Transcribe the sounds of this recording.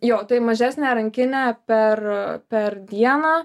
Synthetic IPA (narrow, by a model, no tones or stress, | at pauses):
joːt̪ɐɪmɐʒʲæːsʲnʲɛɾɐŋʲkʲɪnʲæpʲɛrpʲɛɾd̪ʲiɛnaː